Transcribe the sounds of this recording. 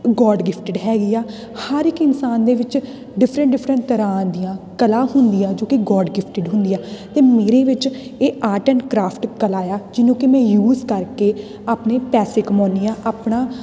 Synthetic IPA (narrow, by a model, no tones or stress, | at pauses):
ɡɔːɖɡɪpʰʈəɖɦɛːɡiːaː | həɾɪkɪnsaːnd̪eːʋɪt͡ʃ | ɖɪpʰɾə̃ɳʈɖɪpʰɾə̃ɳʈt̪əɾãːd̪ɪjãːkəlãːɦʊnd̪ijãːd͡ʒoːkɪɡɔːɖɡɪpʰʈɪɖɦʊ̃nd̪ijãːt̪eːmeːɾeːʋɪt͡ʃeːʔaːʈə̃ːɳkɾaːpʰʈkəlaːjaːd͡ʒɪnõːkɪmɛ̃ːjuːzkəɾkeː | aːpneːpɛːseːkəmɔ̃ːniːãːʔaːpɳãː